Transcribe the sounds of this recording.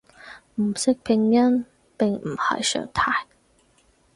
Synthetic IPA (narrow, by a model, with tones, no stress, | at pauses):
m̩˨˩sɪ˥k̚pʰɪ˧˥ŋa˥n | pɪ˨˩ŋm̩˨˩ha̰˧˩jʃœ̰˨˧˥ŋt̪ʰa˥˧˥ɪ